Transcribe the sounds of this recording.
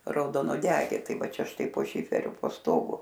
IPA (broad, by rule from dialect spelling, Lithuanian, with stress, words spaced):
rɐʊdoːnuɔˈdʲæːɡʲeː ˈtɐɪ ˈʋɐ ˈt͡ʃʲɛ ˈʃtɐɪ poː ˈʃʲɪfʲɛrʲʊ poː ˈstoːɡʊ